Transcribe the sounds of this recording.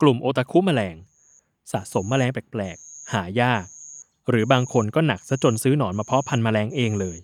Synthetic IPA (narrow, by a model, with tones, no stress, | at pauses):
klu˨˩mʔoː˧t̪a˧kʰuː˦˥ma˧lɛː˧ŋ | sa̰ː˨˩ʔso˩˦mːaː˧lɛː˧ŋpɛː˨˩k̚plɛː˨˩k̚haː˩˦jaː˥˩k̚ | ɾɯː˩˦baː˧ŋkʰo˧nkɔː˥˩na˨˩k̚sa˦˥t͡ɕo˧nsɯː˦˥nɔː˩˦nmaː˧pʰɔ˦˥pʰa˧nmaː˧lɛː˧ŋʔeː˧ŋlɤː˧j